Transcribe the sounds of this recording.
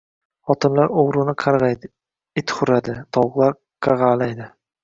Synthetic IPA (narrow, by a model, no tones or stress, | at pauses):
χɒt̪ʰɪnlaɾoʁɾɪnɪqʰɑɾʁɑjd̪ɪ | ɪt̪χʊɾad̪ɪt̪ʰɒwqlˠaɾ | qʰɑʁɑlajd̪ɪ